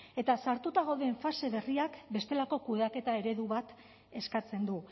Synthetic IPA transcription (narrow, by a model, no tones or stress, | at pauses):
e̞t̪asaɾt̪ut̪aɣoðe̞ɱfase̞βe̞riakbe̞st̪e̞lako̞kuðake̞t̪ae̞ɾe̞ðuβat̪ | e̞skat͡se̞nd̪u